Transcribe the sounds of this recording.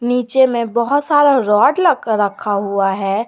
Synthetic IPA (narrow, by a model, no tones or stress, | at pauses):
niːt͡ʃemẽbəɦʊt̪saːɾaɾɔːɖləkəɾːəkʰːaɦuaɦɛː